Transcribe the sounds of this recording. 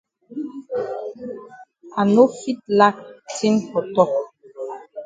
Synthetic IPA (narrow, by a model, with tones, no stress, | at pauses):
a˨no˦fi˦t̚la˦k̚tʰi˦nkɔ˨tɔ˦˨k